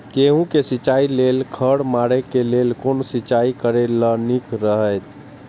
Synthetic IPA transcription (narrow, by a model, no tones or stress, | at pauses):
keɦũkesit͡ʃailelkʰəɽmaɾekelelkonsit͡ʃaikəɾelənikɾəɦəjt̪